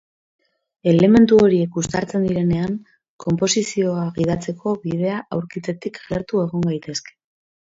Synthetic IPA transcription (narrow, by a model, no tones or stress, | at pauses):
e̞le̞me̞nt̪uo̞ɾie̞kɡust̪aɾt͡se̞nd̪iɾe̞ne̞aŋ | kʰo̞mpo̞sisio̞aɣiðat͡se̞kʰo̞βið̞e̞aʔawɾkit͡se̞t̪ikaɣeɾt̪ue̞ɣ̞oŋɡajt̪e̞ske̥